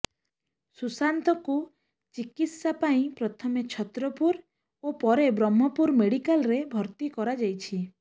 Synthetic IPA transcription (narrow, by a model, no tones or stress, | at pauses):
susant̪ɔku | t͡ʃikit̪sapaĩpɾɔt̪ʰɔmet͡ʃʰɔt̪ɾɔpuɾ | opɔɾebɾɔmːɔpuɾmeɽikalɾebʱɔɾt̪ikɔɾad͡ʒajt͡ʃʰi